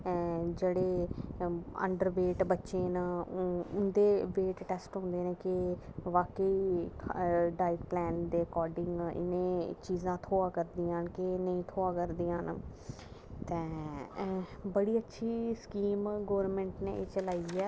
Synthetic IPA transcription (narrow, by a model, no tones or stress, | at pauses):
d͡ʒeːɽeː | ə̰ɳɖəɾʋeːʈbətːʃẽːnaːʊnd̪eːʋeːʈʈɛːsʈɦõːnd̪eːnẽːkɪʋaːkəiː | ɖaːɪʈplɛːnd̪eːɾkɔːɾɖɪŋɡɪ̰nẽːt͡ʃiːzãːt̪ʰoːãːkəɾd̪ijãːnkɪnəĩːt̪ʰoːãːkəɾd̪ijãːn | t̪ɛ̃ː | bəɽiːətːʃʰiːskiːmɡoːʋəɾmɛ̃ːɳʈneːɪt͡ʃəlaːiːɛː